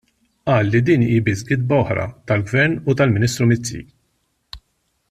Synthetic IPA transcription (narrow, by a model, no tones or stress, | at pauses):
ʔɐːlːid̪iːniːbɪsɡɪd̪̚bɐɔħɾɐ̰t̪ɐlɡvɛɾnut̪ɐlmɪniːst̪ɾumɪt͡sːḭ